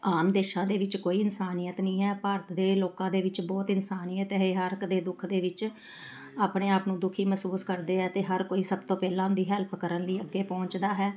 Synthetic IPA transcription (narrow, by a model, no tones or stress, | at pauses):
aːmd̪eːʃãːd̪eːʋɪt͡ʃkoːiːɪnsaːnijət̪nĩːɦɛːpaːɾət̪d̪eːloːkãːd̪eːʋɪt͡ʃbɔːt̪ɪnsaːniːjət̪ɦeːɦəɾkd̪eːd̪ʊkʰd̪eːʋɪt͡ʃ | aːpɳeːaːpnũːd̪ʊkʰiːməsuːskəɾd̪eːɦɛːt̪eːɦəɾkoːiːsəbt̪õːpɛːlãːd̪iːɦɛːlpʰkəɾənləiːəɡːeːpɔ̃ːɲt͡ʃd̪aːɦɛː